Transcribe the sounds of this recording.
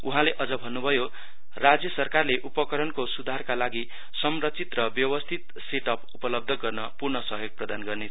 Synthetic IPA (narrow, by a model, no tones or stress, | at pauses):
uɦãleʔʌd͡zʌbʱʌnːubʱʌjo | rad͡zjʌsʌrkarleʔupʌkʌɾʌnkosud̪ʱarkalaɡi | sʌmrʌt͡sit̪rʌbjʌwʌst̪ʰit̪seʈʌpupʌlʌb̚d̪ʱʌɡʌrnʌpurnʌsʌɦjoɡ̚prʌd̪anɡʌrne